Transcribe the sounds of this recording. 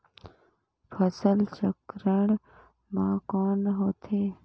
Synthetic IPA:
pʰəsəlt͡ʃəkɾəɳ̃ | mãːkɔːnɦoːt̪ʰeː

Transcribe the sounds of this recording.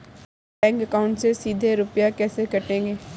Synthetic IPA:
ɛ̃ːŋkɐkaʊ̃ɳʈsesiːd̪ʱeɾʊpjakɛːsekɐʈẽːŋɡeː

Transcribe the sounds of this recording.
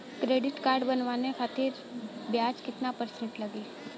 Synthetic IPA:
kɾeːɖɪʈkaːɾɖbɐnʋaːnexaːt̪ɪɾ | bjaːd͡ʒkɪt̪napəɾsẽɳʈlɐɡeː

